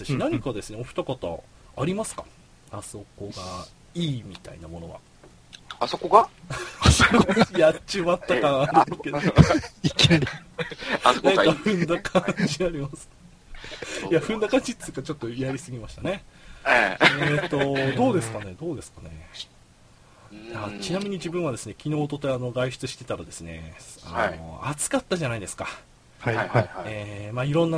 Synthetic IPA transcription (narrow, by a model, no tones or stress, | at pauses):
saɕinaɲ̟ikad̪e̞sɨneo̞ɸɯ̥t̪akat̪a̰ː | ɾʲimasɨ̥kḁ | aso̞ko̞ɡa | iːmʲit̪a̰inamo̞no̞βa̰ | asokoɡasojat͡ɕiβat̪ːakãaɾɯkedok | naɲikaɸɯ̟̃nd̪akʰãɲɲ̟d͡ʑiaɾʲimasɨ̥ | iaɸɯ̟̃nd̪akãɲd͡ʑit̪ːɨkat͡ɕo̞t̪ːo̞jaɾʲisɨɡʲimaɕi̥t̪ane̞ | et̪ːo̞d̪o̞ːd̪e̞sɨ̥kane̞d̪o̞ːd̪e̞sɨ̥kane̞̰ | at͡ɕinamʲiɲ̟id͡ʑibɯ̟̃ɰ̃βad̪e̞sɨne̞kʲino̞ːt̪o̞t̪eano̞ɡaiɕi̥t͡sɨɕi̥t̪e̞t̪aɾad̪e̞sɨne̞̰a̰no̰at͡sɨ̥kat̪ːaʑanaid̪e̞sɨ̥ka | eːmaːiɾõ̞nːa